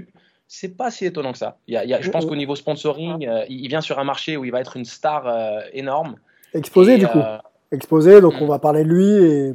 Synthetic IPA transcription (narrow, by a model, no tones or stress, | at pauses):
sɛpasiet̪ɔnɑ̃kə̥sa̰iljailjaʒəpɑ̃skonivospɔ̃sɔʁiøiilvjɛ̃syʁɛ̃maʁʃeuilvaɛt̪χynst̪aʁøenɔʁm | ɛkspozed̪yku | ɛkspozed̪ɔ̃kɔ̃vapaʁlelɥie